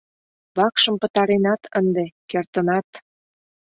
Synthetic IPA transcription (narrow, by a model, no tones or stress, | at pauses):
βɑkʃə̆mpə̆t̪ɑɾenɑt̪ʰənd̪ekert̪ənɑt̪